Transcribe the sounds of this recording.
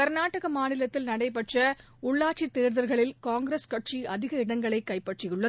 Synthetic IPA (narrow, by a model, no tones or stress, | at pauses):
ɐɾnaːʈɐɣɐmaːnɪlɐt̪ːɪlnɐɽɐɪpɐʈrɐ | ʊɭːaːʈ̚t͡ʃːit̪ːeːɾðɐɾɣɐɭɪlkaːŋɡɪɾeskɐʈt͡ʃiʔɐðɪɣɐɪɽɐŋɡɐɭɐɪkːɐɪpːɐʈrɪjɯɭːɐ